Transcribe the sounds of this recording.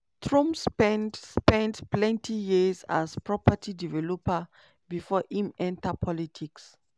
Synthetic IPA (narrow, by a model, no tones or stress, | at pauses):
tɹɔ̃mspɛ̃ndspɛ̃ndplɛ̃ntʰijiza̰zpɹɔpatʰidivɛlɔpa | bifɔʔĩmɛ̃ntapʰɔlitʰiks